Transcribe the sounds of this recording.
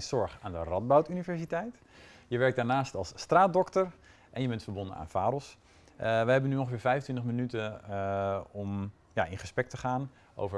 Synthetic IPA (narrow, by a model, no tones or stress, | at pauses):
nsɔɹxaːndərɔd̚bawtynivɛɹsitɛjt | jəʋɛɹk̚daːɹnaːstɑlˠsːtraːt̚dɔktər | ʔɛnjəbɛntfəɹbondəna̰ːnfaːɾɔs | ʋəhɦɛbənyõŋxəfɪːɹfɛjvəntʋɪntəχmənytə | ɔm | jaɪnχəsprɛk̚təχaːn | ʔo̰wvə